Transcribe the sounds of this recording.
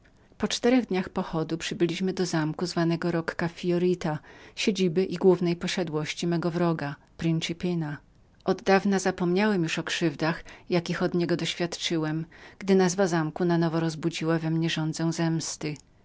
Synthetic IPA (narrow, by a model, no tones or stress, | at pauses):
pɔt͡ʂt̪ɛɾɛɣd̪ɲaxpɔxɔd̪upʂɘbɘlʲiɕmɘd̪ɔzamkuzvanɛɡɔɾɔkːafʲiɔɾit̪aɕed͡ʑibɘʔiɡwuvnɛjpɔɕad̪wɔɕt͡ɕimɛɡɔvɾɔɡa | pɾint͡ʂipʲina | ʔɔd̪ːavnazapɔmɲawɛmjuʂɔkʂɘvd̪axjakʲixɔd̪ɲɛɡɔd̪ɔɕfʲjat̪t͡ʂɘwɛmɡ̥d̪ɘnazvazamkunanɔvɔɾɔzbud͡ʑiwavɛmɲɛʐɔnd̪zɛw̃zɛmst̪ɘ